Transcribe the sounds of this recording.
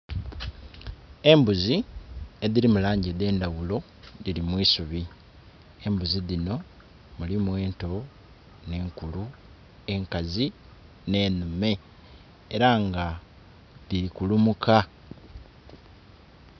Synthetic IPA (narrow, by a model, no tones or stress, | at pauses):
e̞mbuzie̞ðilimulaːɲɟeðe̞ːndawulo̞ | ðilimwiːsuβi | e̞mbuziðino̞ | mulimweːnto̞ | ne̞ːŋkulu | e̞ŋkazi | ne̞ːnume̞ː | ɾaŋɡa | ðiɾikulumukʰa